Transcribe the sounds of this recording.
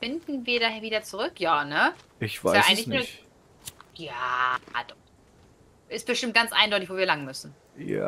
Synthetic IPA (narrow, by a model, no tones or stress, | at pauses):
fɪndn̩viːɐɾaːheːɐviːdɐt͡suʁʏkʰjaːnəʔɪçv̥aɪaɪɡŋtlɪçnnuːɐç | jaːd̥ɔ | ʔɪst̚b̥əʃtɪmt̚ɡ̥ant͡sʔa̰ɪndɔʏtɪçvoːviːɐlaŋmʏsn̩ | ja̰